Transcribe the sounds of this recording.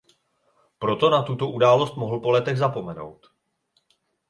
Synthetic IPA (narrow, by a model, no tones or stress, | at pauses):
pɾo̞t̪o̞nat̪ut̪o̞ʔudaːlo̞st̪mo̞ɦl̩po̞lɛt̪ɛɣzapo̞mɛno̞̰wt̪